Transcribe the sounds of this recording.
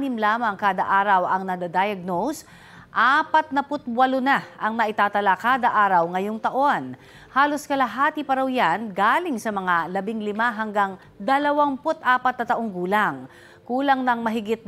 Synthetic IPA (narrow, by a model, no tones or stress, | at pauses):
nɪmlaːmɐŋkaːd̪ɐʔaːɾɐwɐŋnɐd̪ad̪aːjɐɡ̚nows | ʔaːpɐt̪̚nɐpʊt̪̚bwɐlʊnaʔɐŋnɐʔɪt̪aːt̪ɐlakaːd̪ɐʔaːɾɐwŋɐjoŋt̪ɐʔo̞n | haːloskɐlaɦaːt̪ipɐɾɐwjanɡalɪŋsɐmɐŋalɐbɪŋlɪmaɦɐŋɡaŋ | d̪ɐlɐwaŋpʊt̪ʔaːpɐt̪̚nɐt̪ɐʔo̞ŋɡuːlaŋ | kuːlɐŋnɐŋmɐɦɪɡɪt̪̚n